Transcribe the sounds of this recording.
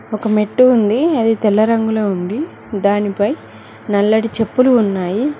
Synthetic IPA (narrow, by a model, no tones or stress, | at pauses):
ɔkɐme̞ʈːuːnd̪iɐd̪it̪ɛlːɐɾɐŋɡuloːund̪i | d̪aːnipɐj | nɐlːɐɽit͡ʃe̞pːuluːnːaːji